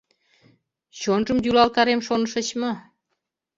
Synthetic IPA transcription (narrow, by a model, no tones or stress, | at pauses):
ɕonʒəmjulɑlkɑɾemʃonəʃə̆t͡ɕmɤ